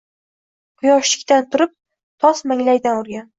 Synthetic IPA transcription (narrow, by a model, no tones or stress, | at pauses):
qʰʊjɒʃlɪ̥kʲt̪ant̪ʰʊɾɪp̚ | t̪ʰɒsmaŋlajd̪anʊɾɡʲan